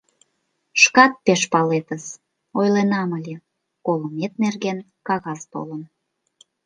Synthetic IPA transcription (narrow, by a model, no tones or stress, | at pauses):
ʃkɑt̪̚peʃpɑlet̪əz | ojlenɑməlʲe | koləmet̪nerɣen | kɑɣɑst̪o̰lən